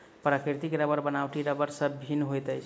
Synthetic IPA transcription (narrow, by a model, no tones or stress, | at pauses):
pɾəkiɾt̪ikeɾəbəɾbənawʈiɾəbəɾsəbbʱinɦojt̪əjt͡ʃʰ